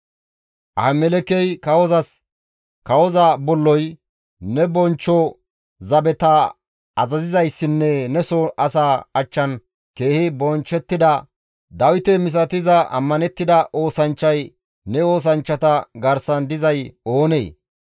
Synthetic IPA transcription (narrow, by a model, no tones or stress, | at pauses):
ʔɐmɛlɛkɛjkɐwɔzɐs | kɐwɔzɐbɔlːɔj | nɛbɔnt͡ʃːɔ | zɐbɛt̪ɐ | ɐzɐzɪzɐjsːɪnːɛnɛsoʔɐsaːɐt͡ʃːɐn | ke̞ːhɪbɔnt͡ʃːɛt̪ːɪd̪ɐ | d̪ɐwɪt̪ɛmɪs̬ɐt̪ɪzɐʔɐ̰mːɐnɛt̪ːɪd̪ɐʔo̞ːsɐnt͡ʃːɐj | nɛo̞ːs̬ɐnt͡ʃːɐt̪ɐɡɐɾsɐnd̪ɪzɐjo̞ːnḛː